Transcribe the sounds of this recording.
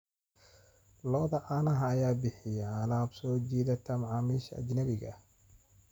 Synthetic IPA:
lɔːðɐʔanɐɦɐːjaːbɪħɪjɐʕalaːbsɔːd͡ʒiːðɐt̪ʰɐmʕɑːmiːʃɐ̰d͡ʒnɐβɪɣɐ̰

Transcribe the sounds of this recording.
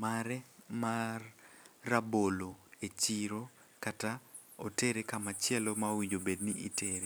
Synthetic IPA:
maɾɛmarːaboloet͡ʃiɾo | kata | oteɾekamat͡ʃjɛlomawiɲd͡ʒobedniʔiteɾe

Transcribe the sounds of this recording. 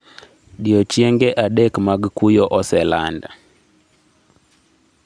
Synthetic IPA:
ɗiɔt͡ʃjɛŋɡɛʔaɗɛkmaɡkujɔʔɔsɛlanda

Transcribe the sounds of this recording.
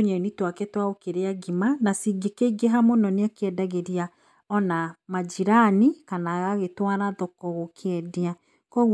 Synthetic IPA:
oɲɛnitwakɛtwaokeɾeaɡimanasiɡekeiɡeɦamonɔneakeɛdaɣeɾia | ɔnamad͡ʒiɾanikanaɣaɣetwaɾaðɔkɔɣokʰeɛdea | kɔ

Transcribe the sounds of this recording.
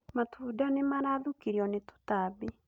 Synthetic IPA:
matʰuːdanemaɾaðukiɾjɔneto̥tabe

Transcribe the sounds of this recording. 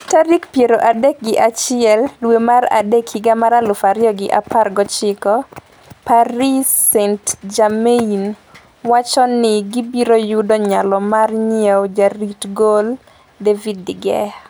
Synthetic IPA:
taɾikpjeɾoʔadɛk̚ɡɪʔat͡ʃɪɛlːwemara̰dekʰiɡamaɾalʊfaɾjɔɡɪʔa̰parɡɔt͡ʃɪkɔ | paɾisɛntd͡ʒamein | wat͡ʃɔnɪɡibiɾojʊdɔɲalɔmarɲewd͡ʒaɾitɡol | devidːɪɡɛ̰a

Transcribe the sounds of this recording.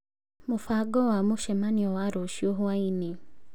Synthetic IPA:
mufaɡɔwamuʃɛmaniɔwaɾoʃioɦuwaini

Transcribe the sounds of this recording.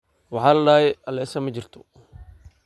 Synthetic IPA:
wɑħɑːlɐɖaːjɛɐlɛsɐmɐt͡ʃɪrt̪ʰɔ̥

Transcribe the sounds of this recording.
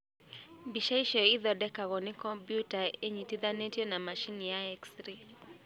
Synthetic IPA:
biʃaiʃɔɪðɔdɛkaɣɔnɪkɔmpjutaeɲitid̪anetjɔnamaʃinjaɛksɾi

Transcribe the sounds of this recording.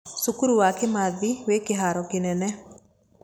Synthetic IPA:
sukuɾuwakemaðiwekɪɦaɾɔkɪnɛnɛ

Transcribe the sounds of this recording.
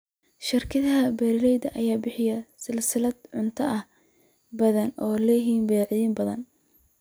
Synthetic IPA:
ʃɪrkʰɐðɐɦɐbɛːɾɪlɛjd̪ɐʔɐjaːbɪħɪjɐsɪlsɪlɐd̪ʕʊnt̪ʰɐʔɐh | bɐðɐnɔːlɛːɦiːnbɛːʕɪðiːmbɐðɐn

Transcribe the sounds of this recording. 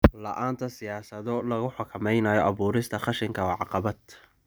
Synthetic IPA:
lɐ̰ʔaːnt̪ʰɐsɪjaːsɐðɔlɐɣʊħʊkʰɐmɛjnajɔʔɑβuːɾɪst̪ʰɐχɑʃɪŋkʰɐwɑʕɑqɑβɐd̪

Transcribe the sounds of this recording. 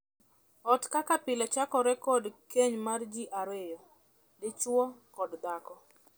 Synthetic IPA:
ɔtkakapɪlɛt͡ʃakɔɾɛkɔdkeɲmard͡ʒiʔaɾwɪjɔ | dɪt͡ʃwɔkɔdd̪akɔ

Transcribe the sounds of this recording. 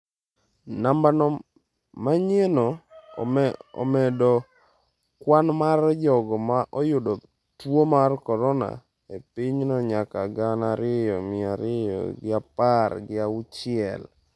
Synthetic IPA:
nambanɔ | maɲenɔ | ɔ̰mɛdɔ | kwanmard͡ʒɔɡɔmaʔɔjʊdɔ | twomarkɔɾɔna̰ | epiɪɲnɔɲakaɡanaɾɪjɔmɪaɾɪjɔ̰ɡɪaparɡɪaʊt͡ʃɪɛ̰l

